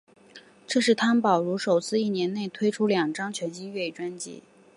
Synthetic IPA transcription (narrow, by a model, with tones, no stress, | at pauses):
ʈ͡ʂɤ˥˧ʂɻ̩˥˩t̪ʰa˥npɑ˨˩ʊɻu˧˥ʂo˨˩ʊt͡sʰɹ̩˥˧i˥˩njɛ˧˥nne˥˩ɪt̪ʰwe˥ɪʈ͡ʂʰu˥ljɑ˨˩ŋʈ͡ʂɑ˥ŋt͡ɕʰɥɛ˧˥nt͡ɕi˥ɥɛ˥˩i˥˩ʈ͡ʂwa˥nt͡ɕḭ˧˥